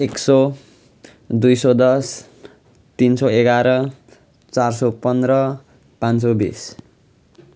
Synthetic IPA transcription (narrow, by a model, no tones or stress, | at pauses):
ekso | d̪ujsʌd̪ʌs | t̪insʌeɡaɾʌ | t͡sarsopʌnd̪rʌ | pãnt͡sobḭs